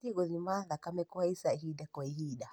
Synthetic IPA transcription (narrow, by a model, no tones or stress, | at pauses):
tiɣɔðimaðakamɛkuaisaɦidakɔiɦida